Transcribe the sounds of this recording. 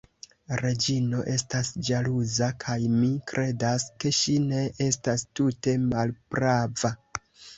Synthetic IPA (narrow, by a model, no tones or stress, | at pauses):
ɾe̞d͡ʒino̞ʔe̞stasd͡ʒaluzakʰajmikɾʔe̞daske̞ʃine̞ʔe̞stastute̞malb̥ɾava